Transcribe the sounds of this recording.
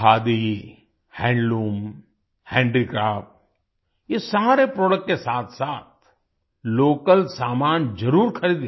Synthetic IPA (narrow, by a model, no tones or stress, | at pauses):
aːd̪i | hɛ̃ːɳɖluːm | hɛ̃ːɳɖikɾaːfʈ̚ | jesaːɾepɾɔːɖək̚ʈkesaːt̪ʰsaːt̪̚ | loːkəlsaːmaːnd͡ʒɐɾuːɾxɐɾiːd̪